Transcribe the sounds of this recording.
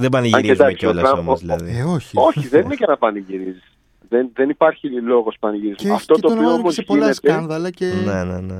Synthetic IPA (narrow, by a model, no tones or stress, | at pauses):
ðebɐniʝɾiezud̪ɐksiolɐsɾɐomzðilɐðieoçio̞çiðeninecenɐpɐniʝiɾizis | ðenðenipɐɾçilo̞ɣo̞spɐniʝiɾizmuɐft̪ott̪oːpioomozʝilnest̪eɐɐnðɐlɐcenenene